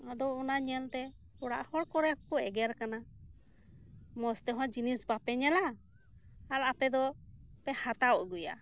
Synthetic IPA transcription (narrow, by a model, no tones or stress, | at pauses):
ad̪ɔːnaɲɛnt̪ɛ | ɔɽa̰ʔhɔɽkɔɾɛkɔɛɡɛɾkana | mɔst̪ɛɦɔ̃d͡ʒinisbapɛɲɛla | alapɛd̪ɔ | pɛhat̪awʔɡuja̰